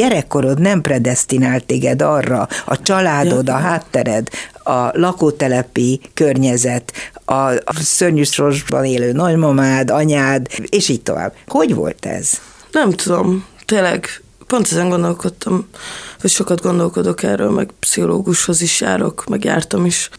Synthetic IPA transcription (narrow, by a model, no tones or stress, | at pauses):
ɛɾɛkːo̞ɾot̪nɛmprɛd̪ɛst̪inaːlt̪ːeːɡɛd̪ɒrːɒɒt͡ʃɒlaːd̪o̞d̪ɒɦaːt̪ːɛɾɛd̪ɒlɒkoːt̪ɛlɛpikørɲɛzɛt̪ɒsørɲyʃroʒbɒ̰neːløːnɒɟmɒmaːd̪ɒɲaːd̪eːʃiːc̚t̪o̞̰va̰ːbho̞ɟʋo̰lt̪ɛ̰z̥ | nɛmt̪ud̪o̞mt̪eːnlːɛɡ | po̞nt̪ɛzɛŋɡo̞nd̪o̞lko̞t̪ʰːɒmvɒcʃo̞kɒd̪ɡo̞nd̪o̞lko̞d̪o̞kɛ̰rːøːlmʔɛ̰ɡpsiɦo̞lo̰ːɡuʃho̞ziʃja̰ːɾo̞̰kmɛɡja̰ːrt̪ɒmiʃ